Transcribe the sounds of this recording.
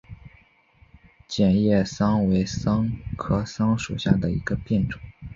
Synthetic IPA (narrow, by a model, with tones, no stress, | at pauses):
t͡ɕjɛ˨˩njɛ˥˩sɑ˥ŋwe˧˥ɪsɑ˥ŋkʰɤ˥sɑ˥ŋʂu˨˩ɕja˥˩d̪ə˩ḭ˧˥ɡ̥ə˧pjɛ˥˩nʈ͡ʂʊ̥˨˩˦ŋ